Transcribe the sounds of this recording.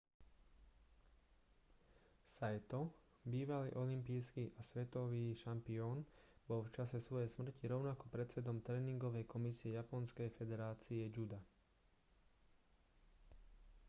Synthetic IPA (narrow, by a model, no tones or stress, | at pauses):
sajt̪ɔ | biːʋalḭːʔɔlimpiːskiʔasʋɛt̪ɔʋiːʃampiɔːnbɔlft͡ʃasɛsʋɔjɛjsmr̩ciɾɔʊnakɔpɾɛt͡sɛd̪ɔmt̪ɾɛːniŋɡɔʋɛjkɔmisiɛjapɔnskɛjfɛd̪ɛɾaːt͡siɛd͡ʒud̪a